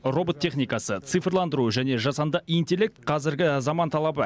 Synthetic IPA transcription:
ro̞bot̪ʰʲːe̞χnijkɑsət̪sɨfrlˠɑnd̪əɾuʒæne̞ʒɑsɑnd̪ɑint̪ʲe̞lːe̞k̚t̪̚qʰɑzɪɾɡʲɪzɑmɑnt̪ʰɑlˠɑbə

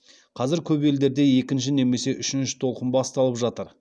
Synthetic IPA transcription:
qʰɑzɪɾkʲʰɵbe̞ld̪e̞ɾd̪e̞je̞kʲɪnʃ̬ɪne̞me̞se̞ʔʏʃɪnʃɪ̥t̪ʰo̞lˠqənbɑst̪ɑlˠəpʒɑt̪əɾ

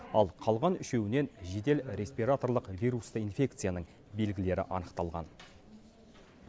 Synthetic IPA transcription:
ɑlˠqʰɑlˠʁɑnʏʃe̞wɪne̞nʒe̞d̪e̞lɾʲe̞sʲpʲijɾat̪o̞rlˠəqvʲijɾust̪əinfʲe̞kt̪sɨjanəɴ | be̞lɡʲɪle̞ɾɪ̰ʔɑ̰nəqt̪ɑlˠʁɑ̰n

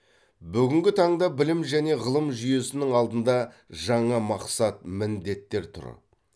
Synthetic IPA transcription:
bʏɡʲɪŋɡʲɪt̪ʰɑɴd̪ɑbɪlɪmʒæne̞ʁəlˠəmʒʏje̞sɪnɪŋɑlˠd̪ənd̪ɑ | ʒɑɴɑmɑqsɑt̪̚mɪnd̪e̞t̪ːe̞ɾt̪ʰʊ̰ɾə̰

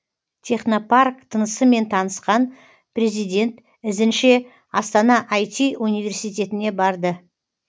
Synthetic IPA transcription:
t̪ʲʰe̞χno̞parkt̪ʰənəsəme̞nt̪ʰɑnəsqɑn | pɾʲe̞zijd̪ʲe̞nt̪ | ɪzɪnʃe | ɑst̪ɑnɑʔajt̪ʲiʔunijvʲe̞rsijt̪e̞t̪ɪne̞bɑɾd̪ə

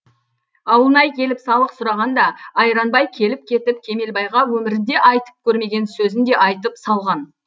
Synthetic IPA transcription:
ɑwlˠnɑjkʲʰe̞lɪpsɑlˠəqsʊɾɑʁɑnd̪ɑːjɾɑnbɑjkʲʰe̞lɪp̚kʲʰe̞t̪ɪpkʲʰe̞me̞lbɑjʁɑwɵmɪɾɪnd̪e̞ʔɑjt̪ə̥p̚kʲʰɵɾme̞ɡʲe̞nsɵzɪnd̪e̞ʔɑjt̪əpsɑlˠʁɑn

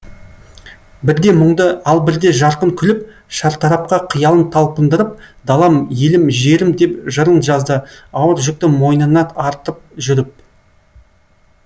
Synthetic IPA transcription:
bɪɾd̪e̞mʊɴd̪əɑlˠbɪɾd̪e̞ʒɑɾqəŋkʲʰʏlɪp̚ | ʃɑɾt̪ʰɑɾɑp̚qɑqʰəjɑlˠənt̪ʰɑlˠpənd̪əɾəp̚d̪ɑlˠɑmje̞lɪmʒe̞ɾɪmd̪e̞pʒəɾənʒɑzd̪əɑwəɾʒʏk̚t̪ɪmo̞jnɑnɑt̪ɑɾt̪əp̚ʒʏɾɪp̚

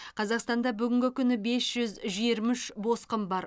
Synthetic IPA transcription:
qʰɑzɑqst̪ɑnd̪ɑbʏɡʲɪŋɡʲɪkʲʰʏnɪbe̞sʒ̥ʏzʒiɾmɪʃbo̞sqəmbɑɾ

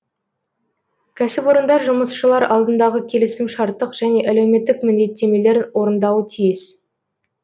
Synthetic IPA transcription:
kʲʰæsɪpwo̞ɾənd̪ɑʒʊməsʃəlˠɑɾʔɑlˠd̪ənd̪ɑʁəkʲʰe̞lɪsɪmʃɑɾt̪ːəqʒ̥æne̞ʔælewme̞t̪ːɪkmʏnd̪e̞t̪ːe̞me̞le̞ɾwo̞ɾənd̪ɑwət̪ʰijɪs

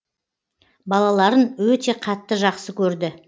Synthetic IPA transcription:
bɑlˠɑlˠɑɾənwɵt̪e̞qʰɑt̪ːəʒɑqsəkʲʰɵɾd̪ɪ

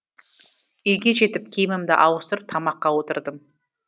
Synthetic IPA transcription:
ʏjɡʲe̞ʒe̞t̪ɪp̚kʲʰejmɪmd̪ɪʔɑwəsɾəp̚t̪ʰɑmɑqːɑwo̞t̪əɾd̪əm

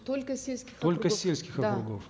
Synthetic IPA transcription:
t̪olʲkəsʲelʲsʲkʲɪ̥xolʲkəsʲelʲskʲɪxɐkɾʊɡof

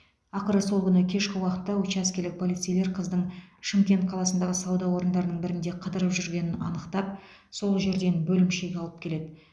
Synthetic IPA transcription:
ɑqəɾəso̞lˠkʰʲʏnəkʲʰe̞ʃkʲɪwɑqət̪ːɑwɵt͡ʃæskʲelɪk̚pʰo̞lijt̪sijle̞ɾqʰəzd̪əɴʃɪmkʲe̞nt̪̚qʰɑlˠɑsənd̪ɑʁəsɑwd̪ɑwo̞ɾənd̪ɑɾənəɴbɪɾɪnd̪e̞qʰəd̪əɾəpʒʏɾɡʲe̞nɪnɑ̰nəqt̪ɑp̚ | soləʒe̞ɾd̪e̞nbɵlɪmʃe̞ɡʲɑlˠəpkʲele̞d̪ɪ

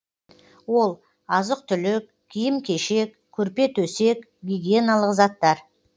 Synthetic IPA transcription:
wo̞lˠ | ɑzəq̚t̪ʰʏlɪk̚ | ɡʲʰijɪmkʲʰe̞ʃe̞k | kʲʰːɵɾpe̞t̪ʰɵse̞k | ɡʲiɡʲijenalˠəqzɑt̪ːɑɾ

